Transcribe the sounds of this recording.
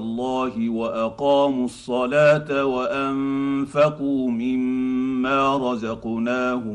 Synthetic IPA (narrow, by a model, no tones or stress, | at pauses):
lˤːɑːhɪwaʔaqɑːmʊsˤːɑlaːt̪awaʔamfaquːmɪmːaːɾˤɑzɑqnaːhʊ